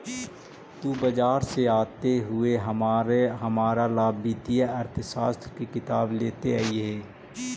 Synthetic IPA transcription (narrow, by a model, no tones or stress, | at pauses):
t̪uːbəd͡ʒaːɾseaːt̪eɦʊeɦɐmaɦɐmaːɾalaːbiːt̪ijaɐɾt̪ʰʃaːst̪ɾkikɪt̪aːbleːt̪eaːiɦɛː